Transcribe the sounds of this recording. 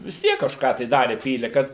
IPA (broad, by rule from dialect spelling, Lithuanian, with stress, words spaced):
ʋʲɪs ˈtʲiɛk kɐʃˈkɑː tɐɪ ˈdɑːrʲɛ ˈpʲiːlʲɛ kɐt